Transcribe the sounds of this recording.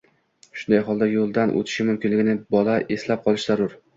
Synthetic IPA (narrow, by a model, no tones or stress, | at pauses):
ʃʊnd̪ajɦɒlˠd̪ajolˠd̪anʔo̰t̪ʰɪ̥ʃɪmʊmkʲɪnlɪɡʲɪnɪbɒlaʔeslap̚qʰɒlˠɪʃzaɾʊɾ